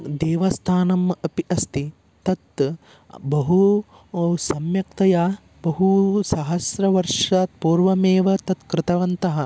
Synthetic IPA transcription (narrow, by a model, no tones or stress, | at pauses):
d̪eːʋɐst̪ʰaːnɐmɐpiʔɐst̪i | t̪ɐt̪ | bɐɦu | sɐmjɐk̚t̪ɐjaː | bɐɦusɐɦɐsɾɐʋɐɾʂaːt̪̚puːɾʋɐmeːʋɐt̪ɐt̪kɾɪt̪ɐʋɐnt̪ɐɦɐ